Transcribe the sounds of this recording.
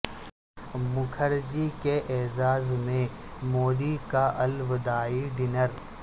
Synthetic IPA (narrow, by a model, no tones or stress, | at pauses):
mʊkʰəɾd͡ʒikeʔɛːzaːzmẽ | moːd̪ikaʔɐlʋd̪aːiɖɪnəɾ